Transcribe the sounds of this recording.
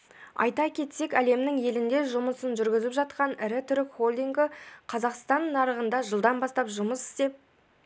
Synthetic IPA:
ɑ̰jt̪ɑkʲʰe̞t̪se̞kʲæle̞mnɪŋje̞lɪnd̪e̞ʒʊməsənʒʏɾɡʲɪzɪpʒɑt̪̚qɑnɪɾɪt̪ʰʏɾɪkχo̞lʲd̪ijŋɡɪqʰɑzɑqst̪ɑnːɑɾəʁənd̪ɑʒəlˠd̪ɑnbɑst̪ɑpʒʊməsɪ̥st̪e̞p̚

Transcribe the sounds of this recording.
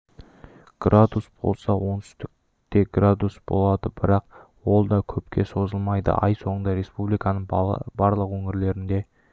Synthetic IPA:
ɡ̥rʔad̪usb̥o̞̰lˠsɑwo̞nt̪ʏ̥st̪ɪk̚ | t̪e̞ɡrad̪usb̥o̞̰lˠɑd̪əbɪɾɑq | wo̞lˠd̪ɑkʲʰɵpkʲʰe̞so̞zəlˠmɑjd̪ə̰ʔɑjso̞ɴənd̪ɑɾe̞spublijkɑnəɴbɑɾlˠəqwɵŋɪɾle̞ɾɪnd̪e̞

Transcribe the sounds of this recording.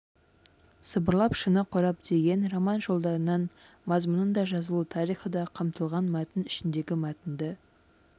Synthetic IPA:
səbəɾlˠɑpʃənəqʰoɾɑp̚d̪e̞ɡʲe̞nromɑnʒo̞lˠd̪ɑɾənɑn | mɑzmʊnənd̪ɑʒɑzəlˠut̪ʰɑɾijχəd̪ɑqʰɑmt̪əlˠʁɑnmæt̪ɪnɪʃɪnd̪e̞ɡʲɪmæt̪ɪnd̪ə

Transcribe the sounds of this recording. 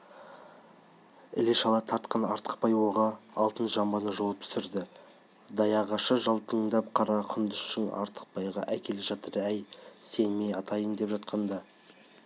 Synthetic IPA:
ɪleʃɑlˠɑt̪ʰɑɾt̪̚qɑnɑɾt̪ə̥q̚pɑjwoʁɑɑlˠt̪ənsʒɑmbɑnəʒolˠəp̚t̪ʰʏ̥sɪɾd̪ɪ | d̪ɑjɑʁɑʃəʒɑlˠt̪ʰəɴd̪ɑp̚qʰɑɾɑqʰʊnd̪əʃʃɪŋɑ̰ɾt̪ʰə̥q̚pɑjʁɑ̰ʔækʲʰe̞lɪʒɑt̪əɾæjse̞nme̞jɑt̪ʰɑjənd̪e̞pʒɑt̪̚qʰɑnd̪ɑ

